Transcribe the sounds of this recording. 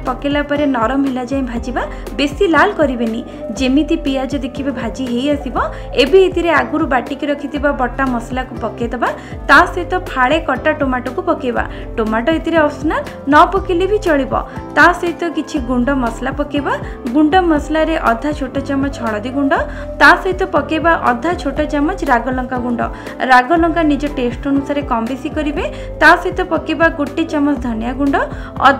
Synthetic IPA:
pɔkelapɔɾenɔɾɔmɦilad͡ʒaĩbʱad͡ʒiba | besilalkɔɾibeni | d͡ʒemit̪ipijad͡ʒɔd̪ekʰibibʱad͡ʒiɦejasibɔ | ebiet̪iɾeaɡuɾubaʈikiɾɔkʰit̪ibabɔʈːamɔslakupɔkjed̪eba | t̪asɔjt̪ɔpʰaɭekɔʈaʈomaʈɔkupɔkeba̰ | ʈomaʈɔit̪iɾeɔsna | nɔpɔkilibʱit͡ʃɔɭibɔ̰t̪asɔjt̪ɔkit͡ʃʰiɡuɳɖɔmɔslapɔkeba | ɡuɳɖɔmɔslaɾeʔɔd̪ʱat͡ʃʰoʈɔt͡ʃamɔt͡ʃɔɭ̃ɔd̪iɡuɳɖɔ | t̪asɔɦit̪ɔpɔkebaʔɔd̪ʱat͡ʃʰoʈɔt͡ʃamɔt͡ʃɾaɡɔlɔŋkaɡuɳɖɔ̰ | ɾaɡɔlɔŋkanid͡ʒɔʈesʈɔnusaɾekɔmbesikɔɾibe | t̪asɦit̪ɔpɔkibaɡuʈːit͡ʃɔmɔt͡ʃd̪ʱɔnjaɡuɳɖɔ | ɔ̰

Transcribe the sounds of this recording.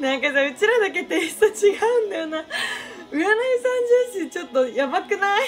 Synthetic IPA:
nãŋkad͡ʑaɯ̟t͡ɕiɾad̪ak̬e̞t̪eɕt̪at͡ɕiɡaɯ̟̃nd̪ajona | ɯ̟anaisãɲd͡ʑɨ̃ɰɕĩɲt͡ɕo̞t̪ːo̞jamakɯ̟nai

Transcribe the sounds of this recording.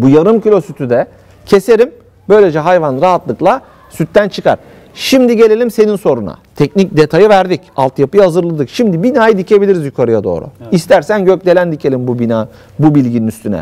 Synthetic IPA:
bujaɾɯmcylʲo̞syt̪ʰyd̪ɛ | cʰe̞se̞ɾim | bø̞jlʲe̞d͡ʒɛɦajvanɾaɦat̪lˠɯklˠa | syt̪ːænt͡ʃʰɯka̰ɾ̥ | ʃimd̪iɟe̞lʲe̞lʲimse̞ninso̞ɾuna̰t̪ʰɛcnic̚d̪e̞t̪ʰajɯvæɾd̪icalˠt̪japɯjahazɯɾlˠad̪ɯkʃimd̪ibinaːjɯd̪icʰe̞bilʲiɾizjykʰaɾɯjad̪o̞̰ːɾṵist̪ʰæɾsænɟøc̚d̪e̞lʲænd̪icʰe̞lʲimbubina | bubilʲɟininyst̪ʰynɛ̰

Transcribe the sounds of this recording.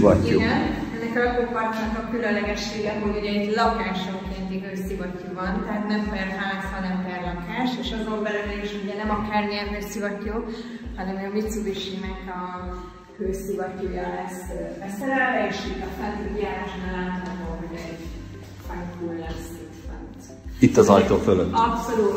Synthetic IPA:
vɒ̰tio̰ɡɛnɛnːɛkɒlɒɡokkɒrt̪ankɒkylønlɛɡɛʃːeːɡɛɦoluɟɛɛɟlɒkaːʃoŋkeːnt̪iɡøːsivɒcːovɒnt̪ɛɦaːt̪nɛmfɛrfaːshɒnɛmfɛrlɒkaːʃeʃɒzoːlbɛlɛmeːniʃouɟɛnɛmɒkaːrnelvesivɒcːoː | hɒnɛmɛmmit̪subiʃinɛkɒ | høːsivɒcːoːjɒlɛsbɛsɛɾɛlvɛeʃiɒsant̪ikijaːkoʃbɛlaːt̪naɦoɦoɟɛɛɟ | faŋkulɛmset̪fɛ̰nt̪ | it̪ːɒzɒjt̪oːføløt̪ɒpso̞luːt̪

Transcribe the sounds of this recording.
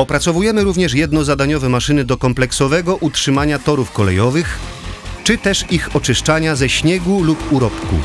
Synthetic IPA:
ɔpɾat̪sɔvujɛmɘɾuvɲɛʂjɛd̪̚nɔzad̪aɲɔvɛmaʂɘnɘd̪ɔkɔmplɛksɔvɛɡɔʔutʂɘmaɲat̪ɔɾufkɔlɛ̰jɔvɘx | t͡ʂɘt̪ɛʂixɔt͡ʂɘʂt͡ʂaɲazɛɕɲɛɡulupuɾɔpkṵ

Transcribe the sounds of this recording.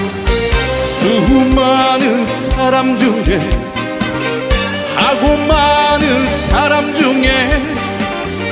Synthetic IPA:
sɯɦumanɯnsʰaɾamd͡ʑuŋe | haɡomanɯnsʰaɾamd͡ʑuŋe

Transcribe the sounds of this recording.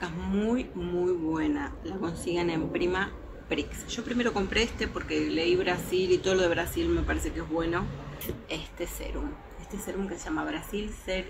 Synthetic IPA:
kamujmujβwe̞nalako̞nsiɣenẽ̞mpɾima | pɾiksʒ̥o̞pɾime̞ɾo̞ko̞mpɾeest̪epo̞ɾkele̞iβɾasilit̪o̞ðlo̞ðe̞βɾasilme̞paɾese̞keezβwe̞no̞e̞st̪e̞sḛɾum | est̪e̞se̞ɾumkeseʒ̥amaβ̞ɾasilseɾ

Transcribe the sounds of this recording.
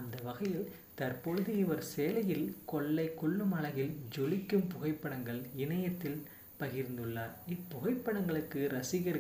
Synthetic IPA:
ɐnd̪ɐʋɐɣɐjɪl | t̪ɐɾpɔɻɯðɯɪʋɐɾseːlɐjɪlkɔɭːɐɪkːɔɭːɯmɐɭɐɣɪld͡ʒɔlɪkːɯmpʊɣɐɪpːɐɽɐŋɡɐɭɪnɐjɐt̪ːɪl | pɐɣɪɾnd̪ɯɭːaːɾɪpːʊɣɐɪpːɐɽɐŋɡɐɭɯkːɯɾɐsɪɣɐɾ

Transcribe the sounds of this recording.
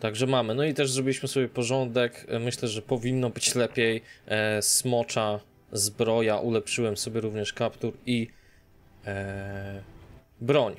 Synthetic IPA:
t̪aɡʐɛmamɘnɔit̪ɛʐzɾɔbʲiliɕmɘsɔbʲjɛpɔʐɔnd̪ɛkmɘɕlɛʐɛpɔvʲinːɔbɘt͡ɕlɛpʲjɛjsmɔt͡ʂa | zbɾɔjaʔulɛpʂɘwɛmsɔbʲjɛɾuvɲɛʂkapt̪uɾi | bɾɔɲ

